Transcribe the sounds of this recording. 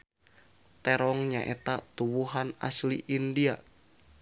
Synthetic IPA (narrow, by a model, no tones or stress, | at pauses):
t̪ɛɾɔŋɲaʔɛt̪at̪uwuɦana̰sliʔindia